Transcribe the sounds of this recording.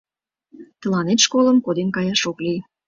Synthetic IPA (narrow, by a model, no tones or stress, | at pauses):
t̪əlɑnet̪ʃkoləmkod̪enkɑjɑʃoklij